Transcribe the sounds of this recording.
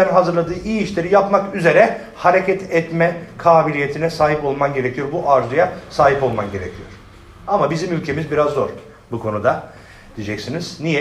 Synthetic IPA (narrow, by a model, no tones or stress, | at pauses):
ænɦazɯɾlˠad̪ɯːijiʃlʲeɾijapmakyze̞ɾɛ | haɾe̞cʰɛt̪ʰɛt̪mɛkʰaːbilʲije̞t̪ʰinɛsaːɦipo̞lˠmanɟe̞ɾecʰijo̞ɾbuʔaɾzɯjasaːɦipo̞lˠmanɟe̞ɾe̞cʰijoɾ̥ | amabizimylʲcʰe̞mizbiɾazːo̞ɾ̥ | bukʰo̞nud̪a | d̪̥id͡ʒɛcsiniz̥nijɛ